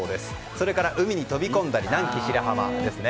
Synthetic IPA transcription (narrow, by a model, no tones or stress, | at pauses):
d̪e̞sɨ̥ | soɾe̞kaɾaʔɯ̟mʲiɲ̟it̪o̞bʲikõ̞nd̪aɾʲinãŋkʲiɕiɾaɦama̰d̪e̞sɨne̞